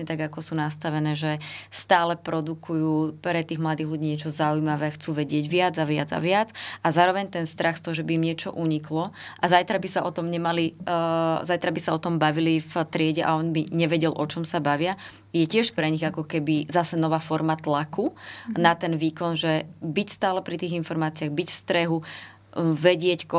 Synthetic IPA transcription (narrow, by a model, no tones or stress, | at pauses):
ɲɛt̪aɡakɔsuːnast̪aʋɛnɛːʒɛst̪aːlɛpɾɔd̪ukʰujuːpɾɛt̪iːɣmlad̪iːɦluɟiːɲɪɛt͡ʃɔzaujmaʋɛːxt͡suːʋɛɟɪɛɟʋɪad͡zaʋɪad͡za̰ʋɪad͡zazaːɾɔʋɛɲt̪ɛnst̪ɾaxst̪ɔɦɔʒɛbiimɲɪɛt͡ʃɔ̰ʔuɲiklɔʔazajt̪ɾabisaʔɔt̪ɔmɲɛmali | zajt̪ɾabisaɔt̪ɔmbaʋilift̪ɾɪɛɟɛʔa̰ɔnbiɲɛʋɛɟɛlʔɔt͡ʃɔmsabaʋɪa | jɛcɪɛʃpɾɛɲiɣakɔkɛbizasɛnɔʋaːfɔɾmat̪lakunat̪ɛnʋiːkɔnʒɛbicst̪aːlɛpɾit̪iːɣinfɔɾmaːt͡siɪaɣbicfst̪ɾɛɦu | ʋɛɟɪɛckɔ